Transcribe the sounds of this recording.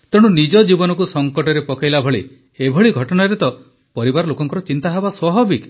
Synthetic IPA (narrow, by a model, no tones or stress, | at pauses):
t̪eɽ̃unid͡ʒɔd͡ʒibɔnɔk̬usɔŋkɔʈɔɾepɔkajlabʱɔɭḭ | ebʱɔɭiɡʱɔʈɔnaɾet̪ɔ | pɔɾibaɾɔlokɔŋkɔɾɔt͡ʃint̪aɦebaswɔɦɔbik